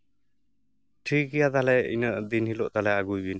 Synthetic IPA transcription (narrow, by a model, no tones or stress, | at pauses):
ʈʰikijad̪alɛḭnəʔd̪inhilɔʔt̪alɛaɡujbin